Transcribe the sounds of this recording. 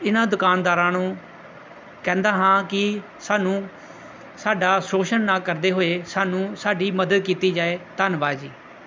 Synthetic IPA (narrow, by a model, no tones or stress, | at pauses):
ɪnãːd̪ʊkaːnd̪aːɾãːnũː | kɛ̃ːnd̪aːɦãːkɪ | saːnũː | saːɖaːsoːʃənːaːkəɾd̪eːɦoːeːsaːnũːsaːɖiːməd̪əd̪kiːt̪iːd͡ʒaːeːt̪ənʋaːd͡ʒiː